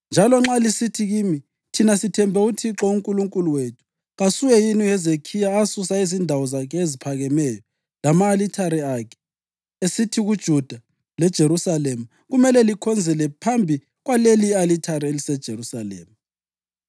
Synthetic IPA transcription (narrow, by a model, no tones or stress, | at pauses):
nd͡ʒʱalɔŋ͡ǁalisitʰiɣiːmi | tʰinasitʰɛmbʱɛutʰiǁɔuŋkʼuluŋkʼuluwetʰu̥ | ɣasuwɛjiniɛzekʰijaːsusaizindʱawɔzakʰɛezipʰaɣɛmɛjɔ | lamaːlitʰaɾiakʰɛ̥ | esitʰiɣud̥ʒ̥ʱud̥ʱa | lɛd̥ʒ̥ʱeɾusalemu | ɣumɛlɛlikʰɔnd͡zʱɛlɛpʰambʱi | ɣwalelialitʰaɾielisɛd̥ʒ̥ʱeɾusalḛːmu